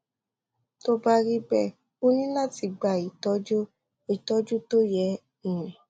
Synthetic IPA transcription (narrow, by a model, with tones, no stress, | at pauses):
to˦ba˦ɾi˦bɛ˦˨ | o˦nĩ˦la˦ti˧ɡ͡ba˨i˨tɔ˧˦d͡ʒo˦ | i˨tɔ˧˦d͡ʒu˦to˦jɛ˨˧˦ | ĩ˦˨ɾ̃ɛ̃˨